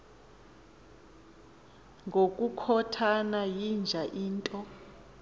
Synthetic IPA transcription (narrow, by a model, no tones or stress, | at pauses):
ŋɡʱokʼukʰɔtʰanajind͡ʒʱaʔiːntʼɔ